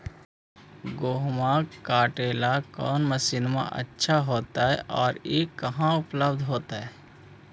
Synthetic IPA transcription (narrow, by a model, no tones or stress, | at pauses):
ɡoːɦmãkaːʈeːlakɔːnməsiːnmã̰ʔə̰tːʃʰaɦoːt̪aɦɛ̰ʔɔːɾjekɐɦãʊpləbd̪ʱɦoːt̪aɦɛː